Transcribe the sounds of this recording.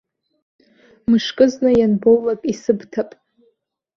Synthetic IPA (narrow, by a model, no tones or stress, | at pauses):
mɨʂkʼɨznɨjanbowlakʼisɨbtʰapʼ